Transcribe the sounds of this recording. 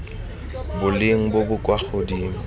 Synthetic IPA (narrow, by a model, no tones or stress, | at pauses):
bʊlɪŋ̩bobʊkʼwak͡xodiːma